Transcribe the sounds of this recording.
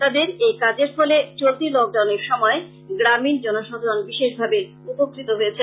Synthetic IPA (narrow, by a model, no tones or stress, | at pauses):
t̪ad̪eɾejkad͡ʑeɾfɔlet͡ɕolt̪ilɔk̚ɖawneɾʃɔmɔe | ɡɾamind͡ʑɔnoʃɔd̪ʱoɾonbiʃeʃbʱabe | upokːɾit̪oɦojet͡ɕʰe